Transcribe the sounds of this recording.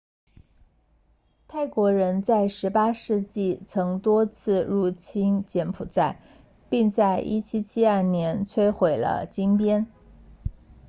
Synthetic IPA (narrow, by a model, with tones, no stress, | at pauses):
t̪ʰa˥˩ɪkwɔ˧˥ɻə˧˥nt͡sa˥˩ɪʂɻ̩˧˥pa˥ʂɻ̩˥˧t͡ɕi˥˩t͡sʰɤ˧˥ŋt̪wɔ˥t͡sʰɹ̩˥˩ɻu˧˥˩t͡ɕʰi˥nt͡ɕjɛ˧˥npʰu˨˩t͡sa˥˩ɪ | pi˥˧ŋt͡sa˥˧ɪʔi˥t͡ɕʰi˥t͡ɕʰi˥ɐ˞˥˩njɛ˧˥nt͡sʰwe˥ɪxwe˨˩ɪlə̰˦t͡ɕi˥ŋpjɛ˥n